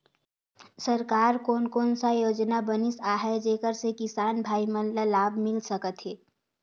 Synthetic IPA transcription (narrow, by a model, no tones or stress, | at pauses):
səɾkaːɾkoːnkoːnsajoːd͡ʒnabənisaːɦɛd͡ʒeːkəɾsekɪsaːnbʱaːimənlalaːbʱmɪlsəkət̪ɦeː